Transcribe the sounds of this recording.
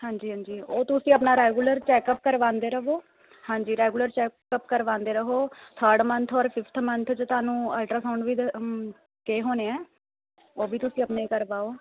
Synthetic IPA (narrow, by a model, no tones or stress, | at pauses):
hãːɲd͡ʒiːɦãːɲd͡ʒiːoːt̪ʊsĩːəpnaːɾɛːɡuːləɾt͡ʃɛːkəp̚kəɾʋãːnd̪eːɾəɦoː | hãːɲd͡ʒiːɾɛːɡuːləɾt͡ʃɛːkəpkəɾʋãːnd̪eːɾəɦoːt̪ʰəːɾɖmənt̪ʰɔːɾpʰɪpʰt̪ʰmənt̪ʰt͡ʃːt̪ʊaːnũːɛːlʈɾaːsaːɳʋiːd̪ | keːɦoːneːɛː | oːbiːt̪ʊsĩːəpnaːiːkəɾʋaːoː